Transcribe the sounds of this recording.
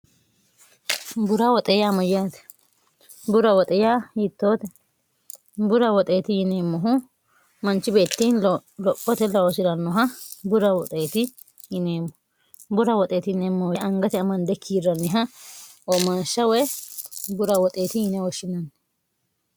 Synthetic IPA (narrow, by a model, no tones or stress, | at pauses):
bʊɾɐwɔt̪ʼɛjaːmɐjaːt̪ɛ̥ | bʊɾɐwɔt̪ʼɛjaːjɪt̪ːoːt̪ɛ | bʊɾɐwɔt̪ʼe̞ːt̪ɪjɪneːmːɔɦʊ | mɐnt͡ʃːɪbe̞ːt̪ːiːnlɔpːɔt̪ɛlɐwɔsɪɾɐnːɔɦɐbʊɾɐwɔt̪ʼeːt̪ɪ | jɪneːmːɔ | bʊɾɐwɔt̪ʼeːt̪ɪnemːɔwɛɐŋɡɐt̪ɛɐmɐnd̪ɛkʰiːɾɐnːɪɦɐ | ɔmɐnʃːɐwɛ | bʊɾɐwɔt̪ʼeːt̪ɪjɪnɛwɔʃɪnɐn